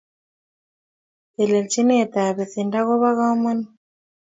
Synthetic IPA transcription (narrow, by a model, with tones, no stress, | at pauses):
ɛ˨lɛ˨lt͡ʃi˦nɛː˦˨t̪a˨βɛ˨θi˨nda˦ɣɔ˦βa˦ɣa˦ɔ˦mɛ˦ni˦